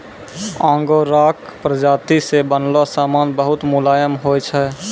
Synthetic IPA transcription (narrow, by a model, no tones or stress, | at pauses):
ãːŋɡoɾaːkpɾəd͡ʒaːt̪isebənlasaːmaːnbəɦʊt̪mʊlaːjəmɦojt͡ʃʰɛ